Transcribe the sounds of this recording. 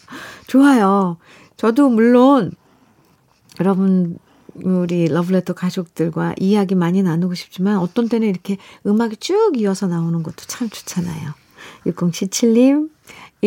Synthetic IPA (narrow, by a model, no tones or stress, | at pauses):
t͡ɕoajo | t͡ɕʌdomuɭːon | jʌɾʌbunː | ɾilʌbɯɭetʰokad͡ʑok̚t͈ɯɭɡwa̰ʔijaɡimaɲinanɯɡoɕʰi̥p̚t͡ɕ͈imanʌt͈ʌnt͈e̞nɯniɾʌkʰe̞ɯmaɡit͡ɕ͈uɡiʌsʰʌnaonɯnɡʌt͈o̥t͡ɕʰamt͡ɕʰu̥t͡ɕʰana̰jo | juk͈ʌŋɕʰit͡ɕʰiʎːim